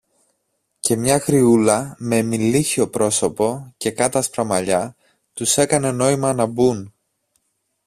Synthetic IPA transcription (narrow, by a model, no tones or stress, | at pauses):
ce̞mɲɐxɾiulɐme̞ːmiliçio̞pɾo̞so̞po̞ce̞kɐt̪ɐspɾɐmɐʎɐ | t̪use̞kɐne̞no̞imɐnɐbun